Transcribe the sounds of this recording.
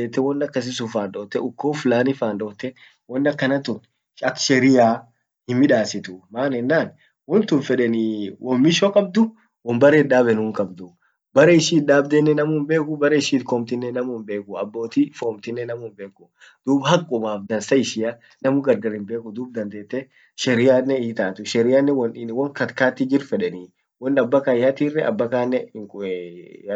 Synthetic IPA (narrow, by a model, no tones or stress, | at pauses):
eːt̪ːɛwɔnːɐkːɐs̬ɪs̬ʊfaːnᶑoːt̪ːɛʊkːoːflaːnɪfaːnᶑoːt̪ːɛ | wɔnːɐkːɐnɐt̪ʊn | ɐkʃɛɾɪjaː | hɪmːɪᶑaːsɪt̪ʊmaːnɛnːaːn | wɔnt̪ʊnfɛᶑɛnɪwʔɔmːɪʃokʼɐb̚d̪ʊ | wɔmbɐɾeːᶑaːbɛnuŋkʼɐbd̪ʊ | bɐɾeɪʃiːᶑaːbd̪enːɛnɐmʊmbeːkʊbɐɾɛɪʃiːt̪koːmt̪ɪnːɛnɐmʊnbe̞ːkʊɐ̰bːo̞ːt̪ifoːmt̪ɪnːɛnɐmʊmbeːkʊ | d̪̥uːbhɐkʼːʊmaːfd̪ɐnsɐɪʃɪja | nɐmʊɡɐɾɡɐɾɪmbe̞ːkʊd̪uːb̚d̪ɐnd̪e̞ːt̪ːɛ | ʃɛɾɪjaːnːɛiːt̪aːt̪ʊʃɛɾɪjanːɛwɐnɪwɔŋkɐt̪kaːt̪ːɪd͡ʒɪɾfɛᶑɛniː | wɔnɐbːɐkaːjaːt̪irːɛʔɐ̰bːɐkaːnːɛŋ